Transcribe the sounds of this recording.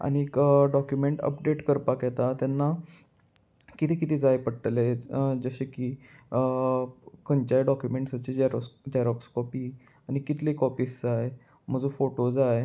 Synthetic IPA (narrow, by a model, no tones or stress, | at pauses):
a̰ɽ̃ikɖɔkjumeɳʈə̰pɖeʈkəɾpakjɛt̪at̪janːa | kit̪ʰiːkit̪ʰiːd͡zajpəɽʈled͡zəɕekiː | kəɲt͡ɕajɖɔkjumeɳʈsat͡ɕid͡ʑɾd͡ʑaɾɔkskɔpiː | aɽ̃ikit̪liːkɔpiːsd͡zaj | m̤əd͡zũfoʈod͡zaj